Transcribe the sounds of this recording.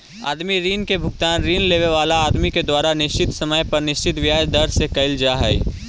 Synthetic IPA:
a̰ːd̪miɾiːnkebʱʊɡt̪aːnɾiːnleːʋeʋaːlaːd̪miked̪waːɾanɪʃt͡ʃɪt̪sɐməjpɐɾnɪʃt͡ʃɪt̪ʋjaːd͡ʒd̪ɐɾsekɐɪld͡ʒaɦɛj

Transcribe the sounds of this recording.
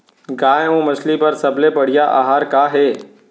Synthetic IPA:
ɡaːjõːmɐslipɐɾsɐblepɐɽ̤ɪjaʔa̰ɦaːɾkaːɦeː

